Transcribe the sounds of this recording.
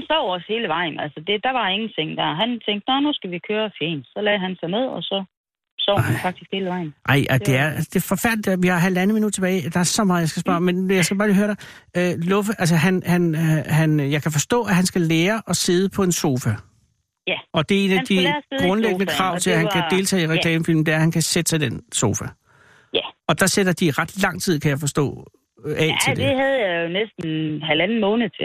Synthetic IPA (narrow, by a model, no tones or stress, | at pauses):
hænsɒ̰ʊ̰she̝ːləʋɑ̈ɪ̰n̩ælsəd̥e̝d̥ɑ̈ʋɑ̈e̝ŋn̩t͡sʰeŋ̰d̥æɐ̰ɦænt͡sʰeŋ̰ɡd̥nɒnusɡ̥æʋikʰøːɐfjḛːn̥sɒ̽lɛːɦænsɑ̈ɪne̝ð̰ˠɒsɒ̽ | sɒ̰ʊ̰ænfɑ̈ɡ̥̚d̥isɡ̥he̝ːləʋɑ̈ɪ̰n̩ʔɑ̈ɪ̰ʔæ̥e̝æɐsd̥e̝fɒ̽fæɐlid̥ʋihɑ̈ɦæld̥ænð̩minud̥ˠt͡sʰeb̥ɛːɪd̥ɑ̈æɐsɒ̽mɑ̈ːð̩ˠjɑsɡ̥æsb̥ɶɐmenjɑɪsɡ̥æbɑ̈ːliːɦøːɐɾ̥ɑ̈ | ølɔ̽fəʔælsəɦænhænɦænjɑ̈ɪkʰæfɒ̽sd̥ɔ̰̽ːæɦænsɡ̥æleːɐʔɒ̽se̝ð̞ˠəpʰɒ̽e̝nso̝ːfæ | ɒ̽d̥e̝e̝ːnæd̥iɡ̥ʁɔ̽nleɡ̥ənəkʰʁɑ̈ʊ̰t͡sʰe̝læhænkʰæd̥e̝lt͡sʰɛ̰ːiʁɛkʰlɛːməfil̰m̩d̥eæɐhænkʰæsed̥əsɑ̈ɪd̥enso̝ːfæ | æɒ̽d̥ɑ̈seɾ̥ɐd̥iʁɑ̈d̥lɑ̈ŋ̰t͡sʰið̰ˠkʰæjɑ̈ɪfɒ̽sd̥ɔ̰ː | ɛ̰l̰t͡sʰeld̥eehæðˠjɑjonesd̥n̩ɦælænn̩mɔːnð̩ˠt͡sʰe